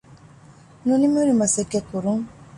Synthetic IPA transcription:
nonimeɾimasɛkɛkuɾuŋ

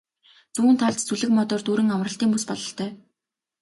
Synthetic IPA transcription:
t͡sŭːnt̪ʰaɮt̪t͡suɮɘ̆kmɔt̪ɔːrt̪uːɾɘ̆ŋamrə̆ɬt̪iːŋpuspɔɮɞ̆ɬt̪ʰœː

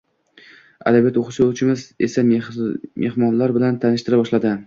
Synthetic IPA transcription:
a̰lɪbet̪oχʊʃowt͡ʃʰɪmɪzesa | mʔehmɒnlaɾbɪlant̪ʰanɪʃt̪ɪɾabɒʃlad̪ɪ

